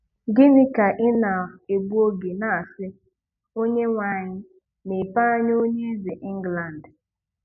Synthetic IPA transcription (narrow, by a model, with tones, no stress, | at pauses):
ɡɪ˦nɪ˦ka˨ʔɪ˦na˨e˨ɡ͡bu˦o˦ɡe˨na˨a˨sɪ˦ | o˦ɲe˦ŋʷa˨ɲɪ˦ | mi˨pa˦a˦ɲ˦o˦ɲe˦ze˨ʔi˦ŋ̩˦ɡla˨n̩˨d